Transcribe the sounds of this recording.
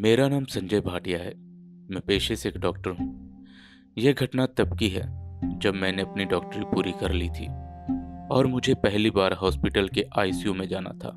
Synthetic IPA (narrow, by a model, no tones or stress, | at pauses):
meːɾanaːmsɐ̃ɲd͡ʒəjbʱaːʈijaɦɛː | mɛ̃ːpeːʃeseːkɖɔːkʈəɾɦũː | jeɡʱɐʈnat̪ɐbkiɦɛ̰ːd͡ʒɐbmɛ̃ːneɐpniɖɔːk̚ʈəɾipuːɾikɐɾlit̪ʰḭː | ɔːɾmʊd͡ʒʱepɛɦlibaːɾɦɔːspɪʈəlkeʔaːisjumẽd͡ʒaːna̰t̪ʰa̰ː